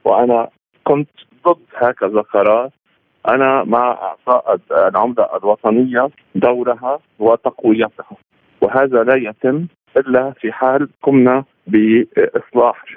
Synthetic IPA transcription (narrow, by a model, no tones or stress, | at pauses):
wʔana | kʊnt̪d̪ˤɨd̪ːhaːkazaqɑɾˤɑːɾˤ | ʔanamaʔɑ̰ʕt̪ɑːʔɪd̪lʕʊmla̰ʔa̰lwɑt̪ˤɑnɪjːa | d̪awɾaɦa | wɪt̪ɑqwɪjːat̪ha | wɦaːðalajat̪ɪmː | ʔɪlːafiħaːlkʊmna | bɪʔɨsˤlɑːħ